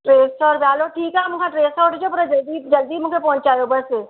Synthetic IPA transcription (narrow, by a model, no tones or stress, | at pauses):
ʈɾeːsɔːɾbjaːloʈʰiːkɦɛmʊkʰaʈɾeːsaoʈʰd͡ʒopɐɾad͡ʒld̪id͡ʒɐld̪imʊkʰepɔ̃ɦʊ̃ɲt͡ʃaːjobəse